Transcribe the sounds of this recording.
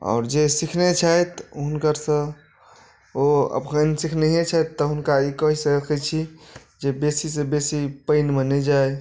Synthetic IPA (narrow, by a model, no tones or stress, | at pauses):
ɔ̰ːɾd͡ʒesikʰnet͡ʃʰəjt̪ɦunkəɾsə̃ | oə̰pkənsikʰneɦet͡ʃʰat̪ːəɦunkaikəɦisəkʰɛt͡ʃʰid͡ʒebesisẽbesipəɪnmenɛd͡ʒaj